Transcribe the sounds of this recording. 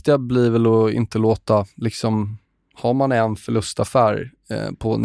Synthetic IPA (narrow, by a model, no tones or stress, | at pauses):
t̪ɪabliːvɛlɔɪ̰nt̪əloːt̪alɪksɔm | haɾmanɛnfœɭɵst̪afæːɾ̰ | pʰɔn